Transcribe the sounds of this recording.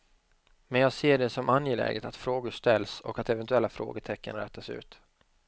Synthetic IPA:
mɛnjɑːɡseːɖɛsɔmʔanjelɛ̰ːɡət̪at̪fɾoːɡʊʂt̪ɛlːsɔ̰kat̪ɛvɛnt̪ɵɛlːafɾo̰ːɡət̪ʰɛkːə̰nɾɛːt̪ʰːasʉ̟̰ːt̪

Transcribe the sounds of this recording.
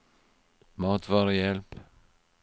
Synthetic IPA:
mɑːt̪vɑːɾəjɛlp

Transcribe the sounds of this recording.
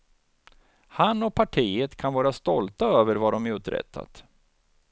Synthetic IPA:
hanːɔpʰaʈʰiːət̪kʰanvɑːɾast̪ɔlt̪aøːvəɾvad̪ɔmæɾɵt̪ɾɛ̰t̪ʰːa̰t̪

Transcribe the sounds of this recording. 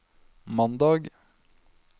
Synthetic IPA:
mɑnd̪ɑːɡ

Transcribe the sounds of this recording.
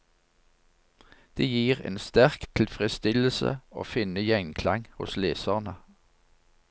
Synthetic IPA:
d̪̥eːjiːʁḛːnst̪æʁkt̪ʰɪl̩fʁɪst̪ɪləsə̰o̰ːfɪnəjɛŋkʰlɑŋhʊ̰sleːsəʁnə

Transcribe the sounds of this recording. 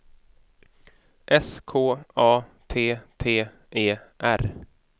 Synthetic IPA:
ʔɛskʰoːɑːt̪ʰeːt̪ʰeː | ʔeːʔæɾ

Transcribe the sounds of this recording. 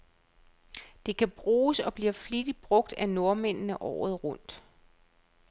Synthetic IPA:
d̥e̝kʰæb̥ʁuːsɒ̽b̥liɐflid̥ib̥ʁɔ̽ɡ̥̚d̥æno̝ɐmen̰nəʔɒ̰ːð̞̩ˠʁɔn̰d̥

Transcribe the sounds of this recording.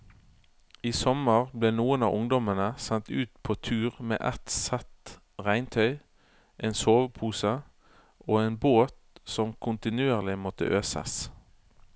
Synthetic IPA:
iːsɔməʁbleːnuːənɑ̰ːʔʊŋd̪ɔmənəsɛnt̪ʉːt̪pʰoːt̪ʰʉːʁmḛːʔɛt̪sɛt̪ | ʁæɪnt̪ʰœʏ | ʔeːnsoːʋəpʰuːsə | oːeːnboːt̪sɔmkʰʊnt̪ɪnʉeːʁlɪmɔt̪ə̰ʔøːsə̰s

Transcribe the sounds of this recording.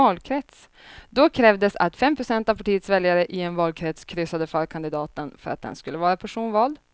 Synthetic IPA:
ɑːlkʰɾɛt̪s | d̪ɔkʰɾɛːvd̪əsa̰t̪fɛmpʰɾʊsɛnt̪avpʰaʈiːət̪svɛljaɾəʔɪɛnvɑːlkʰɾɛt̪skʰɾʏsːad̪əfœːɾkʰand̪ɪd̪ɑːt̪ənfœɾat̪̚d̪ɛ̰nskɵlːəvɑːɾapʰæʂuːnvɑːld̪

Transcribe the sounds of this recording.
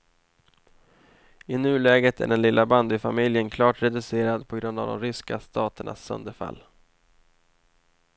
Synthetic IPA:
ɪnʉ̟ːlɛːɡət̪ʰæ̰ɖɛnlɪlːʔaband̪ɪfamɪljənkʰlɑːʈɾɛd̪ɵseːɾad̪pʰɔɡɾɵnd̪a̰vd̪ɔ̰mɾʏskast̪ʰɑːt̪əɳa̰sːœ̰nd̪əɾfa̰lː

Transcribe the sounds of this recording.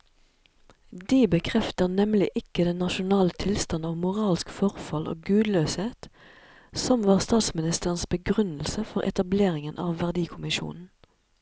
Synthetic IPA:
d̪iːbəkʰʁɛft̪əʁnɛmlɪʔɪkəd̪ɛnːɑʃʊnɑːlət̪ʰɪlst̪ɑnɑːʋmʊʁɑːlskfɔʁfɑlʔo̰ːɡʉːd̪løːsheːt̪ | sɔmʋɑːʁst̪ɑːt̪smɪnɪst̪əʁənsbəɡʁʉnl̩səfɔʁʔɛ̰t̪ɑbleːʁɪŋənʔɑ̰ːʋːæʁd̪iːkʰʊmɪʃṵːnn̩

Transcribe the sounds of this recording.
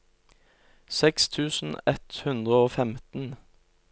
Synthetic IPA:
sɛkst̪ʰʉːsn̩ɛt̪hʉnd̪ʁəoːfɛmt̪n̩

